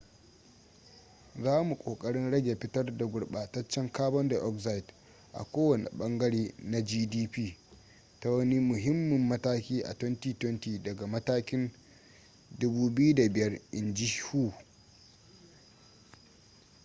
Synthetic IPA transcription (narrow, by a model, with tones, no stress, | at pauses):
zaː˦mu˨kʷʼoː˨kʼɐ˦ɽɪ˦nɽɐ˦ɡʲe˨ɸɪ˦tɐ˦rda˨ɡʷʊ˨ɽɓa˨tɐ˦t͡ʃːɐ˦ŋkaː˦bɐ˦nda˨ʔɔ˦kza˦jɪ˨t | ʔa̰˨kʷoː˦wɐ˨nḭ˨ɓɐ˦ŋɡɐ˦ɽeː˦na˨d͡ʒiː˦diː˦piː˦ | ta˦wɐ˦ni˦mʊ˨ɦɪ˦mːɪ˨mːɐ˦taː˦kʲiː˦ʔa̰˨twɛ˦ntiː˨twɛ˦ntiː˨dɐ˨ɡa˨mɐ˦taː˦kʲɪ˦n | dʊ˦buː˦bɪ˦ju˦da˨bɪ˨jɐ˦rʔɪ˨nd͡ʒi˦huː˦